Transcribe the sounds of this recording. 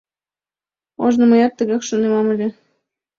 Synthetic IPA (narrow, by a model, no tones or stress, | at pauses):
oʒnɤ̆mɤ̆jɑt̪ːə̆ɣɑxʃŏnemɑmɘ̆lʲĕ